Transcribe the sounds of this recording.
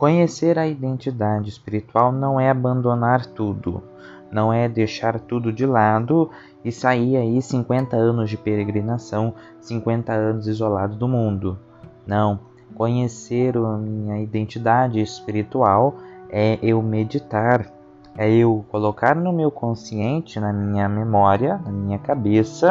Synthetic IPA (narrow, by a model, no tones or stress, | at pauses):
kõɲeseɾɐid̪ẽnt͡ʃid̪ad͡ʒɪɪspiɾit̪uawnɐ̃w̃ɛabɐ̃nd̪onaɾt̪ud̪ʊ̰ | nɐ̃w̃ɛd̪eʃaɾt̪ud̪ʊd͡ʒɪlad̪ʊ | ɪsaiaisĩŋkwẽnt̪ɐɐ̃nʊzd͡ʒɪpeɾeɡɾinasɐ̃w̃ | sĩŋkwẽnt̪ɐɐ̃nʊzizolad̪ʊd̪ʊmũnd̪ʊ | nɐ̃w̃ | kõɲeseɾʊɐmĩɲɐid̪ẽnt͡ʃid̪ad͡ʒɪːspiɾit̪uawɛʔewmed͡ʒit̪aɾ | ɛewkolokaɾnʊmewkõsiẽnt͡ʃɪnɐmĩɲɐmemɔɾiɐnɐmĩɲɐkabesɐ